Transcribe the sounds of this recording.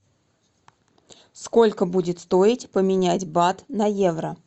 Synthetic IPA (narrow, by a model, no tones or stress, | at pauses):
sko̞lʲkəbudʲɪt̪st̪o̞ɪtʲpəmʲɪnʲætʲbat̪nɐjevɾə